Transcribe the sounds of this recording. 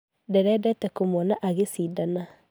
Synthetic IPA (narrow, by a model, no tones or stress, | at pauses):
dɛɾɛdɛtɛkomɔnaʔaɣesiːdana